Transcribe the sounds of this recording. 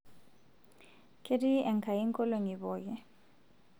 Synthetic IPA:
kʰe˦ɾi˦ɛ˨ŋka˨i˦ŋ˦kɔ˦lo˨ŋi˨βɔ˨ɡɛ˦

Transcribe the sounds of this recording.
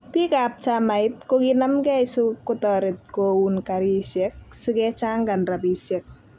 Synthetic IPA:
pi˦kap̚t͡ʃama˨ɪ˦t̚ko˦ɡinamɡɛ˦ɪsu˦kːʊtɔɾɪ˨t̚ko˨wunkaɾi˦sɛ˦k̚su˦ɡɛt͡ʃa˦ŋɡa˨nɾa˨bi˨sɛ˨k̚

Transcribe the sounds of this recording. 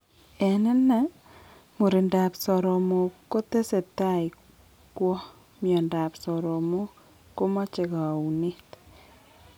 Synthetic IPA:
ɛ˨nɛ˦na˦ | mu˨ɾi˨nda˨psɔ˨ɾɔ˨mo˨ko˦t̪e˦se˨t̪a˦˨i˨ | kwɔ˦ | mjɔ˨nda˨psɔ˨ɾɔ˨mo˦ | ko˦ma˦t͡ʃe˨ka˨u˨ni˦t

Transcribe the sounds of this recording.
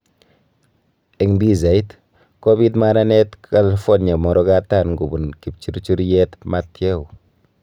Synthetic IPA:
e˨ŋdi˦za˨i˦t | koβit̬ma˦ɾa˦ne˦tkalfonɲa˨mɔ˨ɾɔ˦ɡa˦ta˦nɡu˨bu˨nki˨pt͡ʃu˦ɾt͡ʃu˦ɾjɛtmatje˦u˨

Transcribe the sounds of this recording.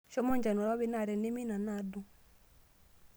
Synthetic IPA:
ʃɔ˦mɔ˦˨ɲd͡ʒa˨nu˨ɾa˦βi˦na˨ɾɛ˨nɛ˦mi˦na˨na˨du˦

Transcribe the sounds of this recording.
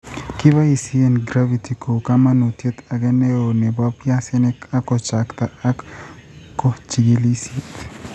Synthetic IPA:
ki˦ba˦i˨si˦enɡɾa˦vi˨t̪i˨ko˨kama˦nu˨t̪je˦t̪a˨ɡɛ˦ne˦o˨nɛ˨ba˦pja˦sɛ˦nɛ˦ka˦ko˨t͡ʃa˨kt̪a˨a˦k | kːo˦t͡ʃiɡi˦li˦sit̪

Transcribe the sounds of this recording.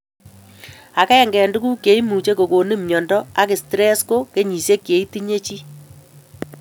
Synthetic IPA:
a˨kɛ˦˨ŋɡɛ˨ndu˦ku˦kje˨i˦mu˨t͡ʃe˦ko˨ko˨nɪ˦mɲɔ˨ndɔ˦a˦kɪ˨stɾɛ˦sko˦ke˦ɲi˨se˦kje˨i˦ti˦ɲe˦t͡ʃi˦

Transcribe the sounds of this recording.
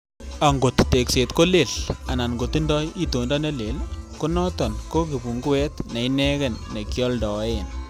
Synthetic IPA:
a˨ŋɡo˨tːe˨kse˨t̪ko˦le˨la˨na˨nɡo˨t̪i˦ndɔ˦ji˦to˨ndɔ˦ne˦le˨lku˦nɔ˦tɔ˨nko˦k̬i˨bu˨ŋɡu˦ɛ˦t̪nɛ˨inɛ˦kɛ˨nːe˨kjɔ˦ldɔ˨˦en

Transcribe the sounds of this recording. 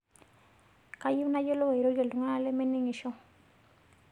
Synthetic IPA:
ka˦ju˦na˦d͡ʒo˦lo˦wa˨i˨ɾo˦d͡ʒe˨u˨ŋa˦na˦le˦me˦ni˦ŋi˨ʃɔ˦ŋ

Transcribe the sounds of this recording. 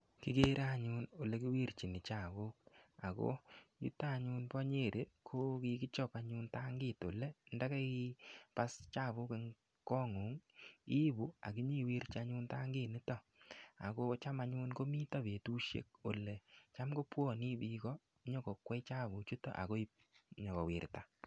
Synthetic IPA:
ki˦ɡe˦ɾa˦ɲʊ˦no˨le˨ki˦wi˦ɾt͡ʃi˨nɪ˨t͡ʃa˦˨βu˦k̚a˨ko̰˦jṵ˦ta˦˨ɲʊ˦npɔ˦ɲe˦˨ɾʔe˨kʰo˦ki˧kɪ˦t͡ʃɔ˦˨ka˨ɲʊ˦nta˦ŋɡɪ˦˨to̰˨le˦nda˦kɛ˦ipa˦st͡ʃa˦˨βʊ˦ke˦ŋ | kɔ˦ŋu˨˦ŋi˦bu˦a̰˨ki˦ɲi˦˨wi˦ɾt͡ʃa˨ɲʊ˦nta˦ŋɡɪ˦˨nɪ˦tɔ˦ | a̰˨ko˦t͡ʃa˦ma˦ɲu˧nko˦mi˦ta˦be˨tu˦ʃjḛ˦k̚o˨le˨t͡ʃa˦mɡo˦pwɔ˦˨ni˦bi˦kɔ˦ | ɲɔ˦kɔ˨kwɛ˦t͡ʃa˦βu˨t͡ʃu˦tɔ̰˦ʔa̰˨ko˦i˦ | ɲɔ˨βɔ˨wɪ˨ɾta̰˨

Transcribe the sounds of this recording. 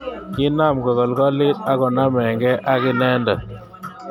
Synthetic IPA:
ki˦na˦˨mkɔ˨ɣɔ˨lkɔ˦li˦ta˦kɔ˨na˦mɛ˨ŋɡɛ˦ʔa˦kɪ˦nɛ˦nda˨

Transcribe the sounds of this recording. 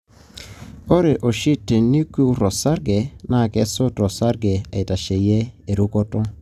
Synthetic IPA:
o˦ɾe˨ʔo˨ʃi˦tːe˨ni˦ku˦ɾɔ˨sa˦ɾɡe˨na˦˨kɛ˦so˦tɔ˨sa˦ɾɡe˨a̰˨i˨ta˨ʃe˨je˦e˨ɾu˦kɔ˦tɔ˦

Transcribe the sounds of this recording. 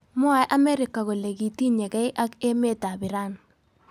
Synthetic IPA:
mɔ˦a˨jʔa˦mɛ˦ɾɪ˨kːa˨ko˨le˨ɡi˨ti˦ɲe˨kɛ˦ʔa˦ke˦me˦ta˨bɪ˨ɾa˦˨n

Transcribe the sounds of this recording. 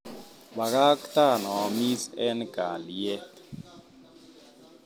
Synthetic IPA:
ɓa˨ka˦kta˦˨nɔ˨mi˦sɛ˦nɡ̥ʱa˨ljɛ˦

